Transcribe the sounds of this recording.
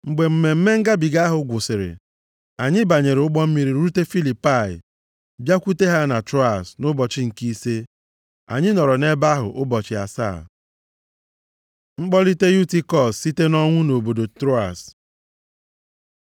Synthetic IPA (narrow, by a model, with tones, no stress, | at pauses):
ŋ͡m̩˨ɡ͡be˨m̩˨me˨m̩˦me˦ŋ̩˦ɡa˦bi˨ɡa˦a˦ɦʊ˨ɡʷʊ˨sɪ˨ɾɪ̰˨ | a˨ɲɪ˦ba˨ɲe˨ɾʊ˦ɡ͡bɔ˦m̩˦mi˦ɾi˨ɾu˦ɾu˦te˦fi˦li˨pa˦˨ɪ̰˨ | bja˦kʷu˦te˦ɦa˦na˨tɾo˦a˨snʊ˦bɔ˨t͡ʃɪ˦ŋ̩˨ki˦se˦ | a̰˨ɲɪ˦nɔ˨ɾɔ˨ne˦ba˦ɦʊ̰˨ʔʊ˦bɔ˨t͡ʃɪ˨a̰˨sa̰ː˦˨ | ŋ͡m̩˦k͡pɔ˦li˦te˦ju˦ti˦kɔ˦ssi˦te˦nɔ˦ŋʷʊ˦no˨bo˨do˨tɾo˦a̰˨s